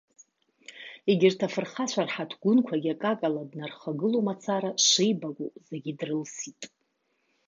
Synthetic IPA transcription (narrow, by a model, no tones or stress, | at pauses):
eɡʲɪrtʰafɨrχat͡ɕʷʰarħatʰɡʷʊnkʷʰaɡʲakʼakʼaladnarχaɡɨlomat͡sʰaɾaʂejbakʷʼuzeɡʲidrɨlsitʼ